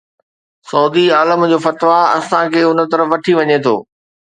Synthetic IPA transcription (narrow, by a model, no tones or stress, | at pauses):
sɔːd̪iaːləmd͡ʑoːfɐt̪ʋaɐ̰sãkʰeːʊnə̆t̪ɐɾəfʋɐʈʰiʋɐɲet̪ʰo̰ː